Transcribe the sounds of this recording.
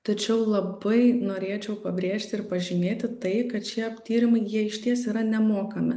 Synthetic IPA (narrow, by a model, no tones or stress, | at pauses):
t̪ɐt͡ʃʲɛʊlˠɐbɐɪnoːɾʲeːt͡ʃʲɛʊpɐbʲɾʲeːʃʲt̪ʲɪɪɾpɐʒʲɪnʲeːt̪ʲɪt̪ɐɪkɐt̪ʃʲiɛɐpʲt̪ʲiːɾʲɪmɐɪjiɛɪʃʲt̪ʲiɛsiːɾɐnʲɛmoːkɐmʲɪ̰